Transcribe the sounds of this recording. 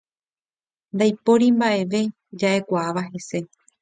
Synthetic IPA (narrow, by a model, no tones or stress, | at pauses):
nd̪ajpo̞ɾimbaʔe̞ʋe̞ | d͡ʒaʔe̞kʷaaʋaɦe̞se̞